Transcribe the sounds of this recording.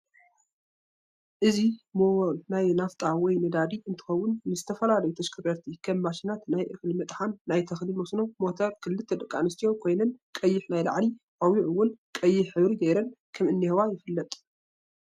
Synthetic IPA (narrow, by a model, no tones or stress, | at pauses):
ʔɨzimonajnaft̪ʼawɔjmɨd̪ad̪iʔɨnt̪ʰɨ̥xɐwːʊnːɨzɨt̪ʰɐfɐlalɐjut̪ʰɐʃkʰʼɨbɐɾt̪ʰikʰɐmːaʃinat̪najʔɨxlmɨt̪ʼħanːajt̪ʰɐxlimosnomo̞t̪ʰɐɾkʰɨlːɨt̪ʰːɐd̪ɨkʼanɨst̪ʰijo̞kʰo̞jnɐnkʼɐjːɪħnajla̰ʕliʔʼɐwiʕɨwːʊnkʼɐjːɪħɨβɾiɡɐjɾɐnkʰɐmɨnːihɐwajɪfɨlːɐt̪ʼ